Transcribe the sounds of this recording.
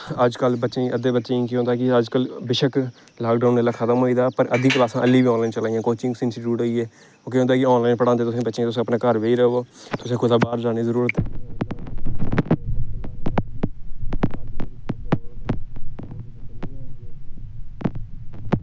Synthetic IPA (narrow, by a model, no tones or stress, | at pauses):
əd͡ʒkəlbətːʃẽʔəd̪eːbətːʃẽːkiɦõːnd̪aːkɪəd͡ʒkəlbɪʃək | laːkɖaːneːlaːkʰət̪əmɦoːiːd̪aːpəɾəd̪iːklaːsãːʔəlːiːbiːɔ̃ːnlaːint͡ʃəlaːijãːkoːt͡ʃɪ̃ŋɡsɪnsɪʈjuːʈɦoːiɛː | õːkeɦõːnd̪aːkɪɔːnlaːinpəɽãːt̪eːt̪ʊsẽːbətːʃẽːt̪ʊs̬ẽːəpnãːkəɾʋeːiːɾəoː | t̪ʊsẽːkʰʊd̪aːbaːɾd͡ʒaːniːzəɾuːɾət̪ɛː